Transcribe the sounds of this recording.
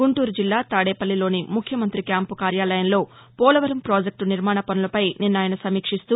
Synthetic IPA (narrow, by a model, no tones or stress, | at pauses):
ɡuɳʈuːɾud͡ʒilːaːt̪aːɽeːpɐlːilo̞ːnimukʰjɐmɐnt̪ɾikjaːmpukaːɾjaːlɐjɐnlo̞ː | pɔːlɐʋɐɾɐmpɾoːd͡ʒek̚ʈuniɾmaːɳɐpɐnulɐpɐjninːaːjɐnɐsɐmiːkʂist̪uː